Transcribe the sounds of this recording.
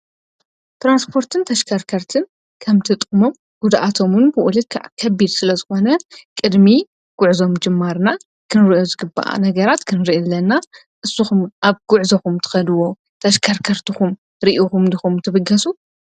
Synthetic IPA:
t̪ʰɾanspʰo̞ɾt̪ʰɨnt̪ʰɐʃkʰɐɾkʰɐɾt̪ʰɨn | kʰɐmt̪ʰɨt̪ʼɨmo̞m | ɡ̥ud̪ʔat̪ʰo̞mɨnbɨʔulɨkʰa̰ʕkʰɐbːid̪sɨlɐzɨxo̞nɐkʼɨd̪mi | ɡ̥uʕzo̞md͡ʒɨmːaɾna | kʰɨnɨɾiʔozɨɡɨba̰ʔa̰nɐɡɐɾat̪kʰɨnɨɾiʔlːɐnːa | ʔɨsːuxumʔaβɡ̥ʊʕzɐxumt̪ʰɨ̥xɐd̪wo | t̪ʰɐʃkʰɐɾkʰɐɾt̪ʰɨxum | ɾiʔuxumdɨxumt̪ʰɨbɨɡɐsu

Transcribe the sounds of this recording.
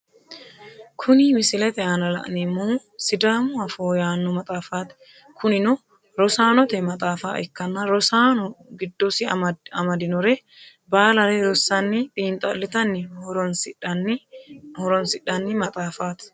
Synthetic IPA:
kʰʊnimɪsɪlɛt̪ɛaːnɐlɐ̰ʔnɪmːoː | sɪd̪aːmuɐfoːjaːnːɔmɐt̪ʼaːfaːt̪ɛ̥ | kʰʊnɪnɔ | ɾɔsaːnɔt̪ɛmɐt̪ʼaːfa̰ːʔɛkːɐnːɐɾɔsaːnɔɡɪd̪ːɔsɪɐmɐd̪ɪnʊɾɛ | baːlɐleːɾɔsɐnːit̪ʼiːnt̪ʼɐlːɪt̪ɐnːɪnsɪᶑ | hɔɾɔnsɪᶑɐnːimɐt̪ʼaːfaːt̪ɪ̥

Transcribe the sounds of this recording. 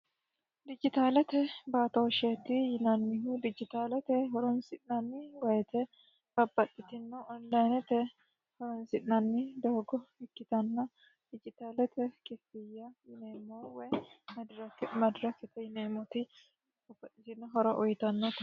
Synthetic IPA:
d̪ɪd͡ʒɪt̪aːlɛt̪ɛbaːt̪oːʃeːt̪ɪjɪnɐnːɪɦud̪ɪd͡ʒɪt̪aːlɛt̪ɛɦɔɾɔnsɪʔnɐnːɪwɐjɛt̪ɛ | b̥ɐbːɐᶑːɪt̪ɪnːɔɔnlɐjnɛt̪ɛ | hɔɾɔnsɪʔnɐnːɪd̪oːɡɔhɪkːɪt̪ɐnːɐ | d̪̥ɪd͡ʒɪt̪aːlɛt̪ɛkʼɪfːɪjːɐjɪneːmːowɐj | mɐd̪ɾɐkːɛt̪ɛjɪneːmɔt̪ɪ | kʊbɐtːɪt̪ɪnːɐɦɔɾɐʔɔjt̪ɐnːɐt̪

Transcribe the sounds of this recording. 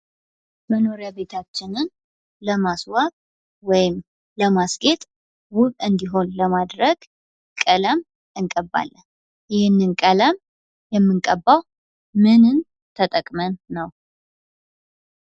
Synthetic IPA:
məno̞ɾjaβe̞t̪ʰat͡ʃːɪnɨn | ləmaswakʼ | wɔjɪm | ləmasɡe̞t̪ʼ | wʊβʼɨnd̪iɦo̞nləmad̪ɾəɡ | kʼələm | ɨŋkʼəbːa̰lːən | jɪhɪnːɨnkʼələm | jɛmːɨŋkʼəbːaw | mɨnɨn | t̪ʰət̪ʼəkʼmənːəw

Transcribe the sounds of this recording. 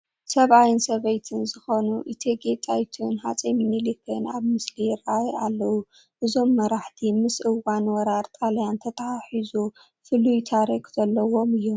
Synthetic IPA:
sɐβʔajɨnsɐβɐjt̪ʰɨnzɨxo̞nuʔit̪ʰeɡet̪ʼajt̪ʰunha̰t͡sʼemmilɨkʰɐnaβmɨsliɾajalːɐwu | ʔɨzo̞mːɐɾaħt̪ʰimɨsʔɨwanwɔɾaɾt̪ʼaljant̪ʰɐt̪ʰɐaħizu | fɨlujt̪ʰaɾekzɐlːɐwo̞mɨjːu

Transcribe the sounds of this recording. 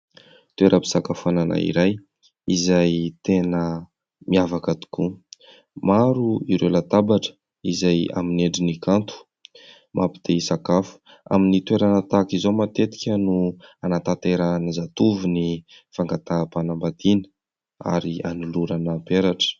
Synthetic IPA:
t̪uweɾəbi̥sakafanana̰ḭɾaj | izajt̪enə | miavakat̪i̥ku | maɾuiɾelat̪abaʈ͡ʂə̥ | izaja̰mineɳɖ͡ʐinikant̪u̥ | mʔapi̥d̪̥eisakafu̥ | a̰minit̪weɾanat̪akizomat̪et̪i̥kʲənuanat̪at̪eɾanizat̪uvuni | faŋɡat̪aːpanambad̪inə̥ | a̰ɾia̰nuluɾanapeɾaʈ͡ʂə̥

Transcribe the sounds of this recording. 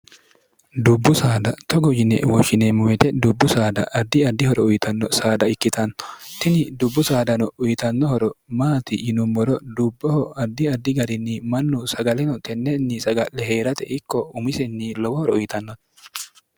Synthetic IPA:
d̪ʊbːʊsaːd̪ɐt̪ʰɔɡɔd͡ʒɪnɛ̰wɔʃɪnemʊwɛt̪ɛd̪ʊbːʊsaːd̪ɐ̰ʔɐd̪ːɪɐd̪ːɪhɔɾɔʊjɪt̪ɐnːɔsaːd̪ɐɪkːɪt̪ɐnɔ̥t̪ɪnɪd̪ʊbːʊsaːd̪ɐnɔʊjɪt̪ɐnːɔhɔɾɔmaːt̪ɪjɪnʊmːɔɾɔd̪ʊbːɔhɔɐd̪ːɪɐd̪ːɪɡɐɾɪnːimɐnːʊsɐɡɐlɛnɔt̪ʰɛnːɛnːɪsɐɡɐlːɛɦeːɾɐt̪ɛ̰ʔɪkːɔʊmɪsɛnːilɔwɔhɔɾɔʊjɪt̪ɐnːɔt

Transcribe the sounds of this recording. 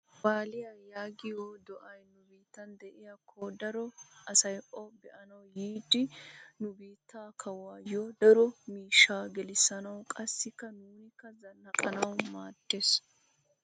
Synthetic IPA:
waːlɪjɐjaːɡɪjɔd̪ɔʔɐjnʊbiːt̪ːɐnd̪ɛʔɪjɐkʰːɔd̪ɐɾɔʔɐsɐjʔɔbɛʔɐnɐwjiːd̪ɪnʊbiːt̪ːaːkʰɐwaːjɔd̪ɐɾɔmiːʃːaːɡɛlɪsːɐnɐwkʼɐsːɪkːɐnuːnɪkːɐzɐnɐkʼɐnɐwmaːt̪ːes

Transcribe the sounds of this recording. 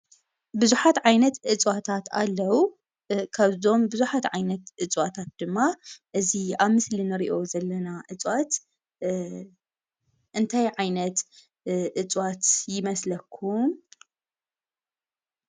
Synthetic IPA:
bɨzuħat̪ʕajnɐt̪ʔɨt͡sʼwat̪ʰat̪ʰa̰lːɐwu | kʰaβzo̞mbɨzuħat̪ʕajnɐt̪ʔɨt͡sʼwat̪ʰat̪̚d̪̥ɨmːaʔɨziaβmɨslinɨɾiʔo̞zɐlːɐnaʔɨt͡sʼwat̪ | ʔɨnt̪ʰajʕajnɐt̪ | ʔɨt͡sʼwat̪jɪmɐslɐkʰːum

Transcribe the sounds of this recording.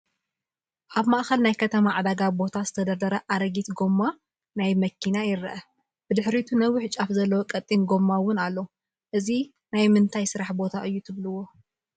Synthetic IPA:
ʔaβmaʔxɐlnajkʰɐt̪ʰɐmaʕad̪aɡabo̞t̪ʰazɨt̪ʰɐd̪ɐd̪ɐɾɐʔaɾɐɡit̪ɡo̞mːa | najmɐkʰːinajɪɾɐʔɐ | b̥ɨd̪ɨħɾit̪ʰunɐwɪħt͡ʃʼafzɐlːɐwokʼɐt̪ʼːinɡo̞mːawʊnalːo | ʔɨzi | najmɨnt̪ʰajsɨɾaħbo̞t̪ʰaʔɨjːut̪ʰɨβlɨwːo̞

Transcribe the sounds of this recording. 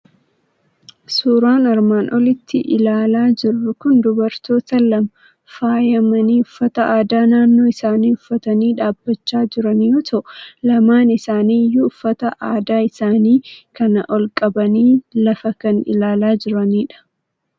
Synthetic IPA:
suːɾaːnɐɾmaːnʔɔlɪt̪ːɪʔɪ̰laːlaːd͡ʒɪrːʊkʊnd̪ʊbɐɾt̪o̞ːt̪ɐlɐmɐ | faːjɐmɐniːʊfːɐt̪ɐaːd̪aːnaːnːoːɪsaːniːʊfːɐt̪ɐniːᶑaːbːɐt͡ʃːaːd͡ʒɪɾɐnjoːt̪ʰɐʔlɐmaːnɪsaːniːjuʊfːɐt̪ɐʔaːd̪aːɪsaːniːkɐnɐʔɔlkʼɐbɐniːlɐfɐkɐnɪ̰laːlaːd͡ʒɪɾɐniːᶑɐ̥

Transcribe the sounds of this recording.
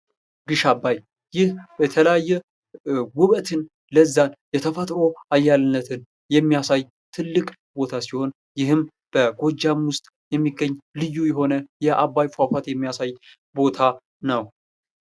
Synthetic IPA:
ɡɨʃabːaj | jɪhbɛt̪ʰələjajːɛ | wʊβət̪ʰɨn | ləzːanjɛt̪ʰəfət̪ʼɾo̞ajːalɨnːət̪ʰɨn | jɛmːijasaj | t̪ʰɨlːɨkʼ | bo̞t̪ʰasiho̞n | jɪhɨm | b̥əɡo̞d͡ʒamwʊst̪ʼ | jɛmːiɡːəɲːlɨjːujɛɦo̞nəjɛʔabajfafat̪jɛmːijasaj | bo̞t̪ʰa | nəw

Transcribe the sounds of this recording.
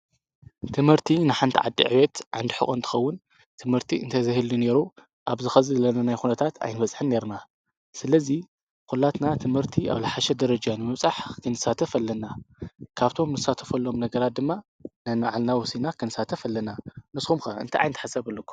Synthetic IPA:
t̪ʰɨmhɨɾt̪ʰinɨħant̪ʰiʕa̰d̪ːḭʕɨwɛt̪ʕa̰nd̪iħɨ̰xʼont̪ʰɨ̥xɐwːʊn | t̪ʰɨmhɨɾt̪ʰiɨ̰nt̪ʰɐzɨhɨlːine̞ɾu | ʔaβzɨxɐzɨlɐnɐnajxunɐt̪ʰat̪ʰa̰jnɨβɐt͡sʼħɨnːe̞ɾna | sɨlɐzi | kulːat̪nat̪ʰɨmhɨɾt̪ʰia̰βlɨħaʃɛd̪ɐɾɐd͡ʒanɨmɨβt͡sʼaħkʰɨnɨsat̪ʰɐfɐlːɐnakʰaβt̪ʰo̞mnɨsat̪ʰɐ̥fɐlːo̞mnɐɡɐɾat̪̚d̪ɨmːa | nɐnaʕalnawɔsinakʰɨnɨsat̪ʰɐfɐlːɐnamɨsxumkɐɨ̰nt̪ʰiʔa̰jnt̪ʰaħasɐβɨlːukːu̥

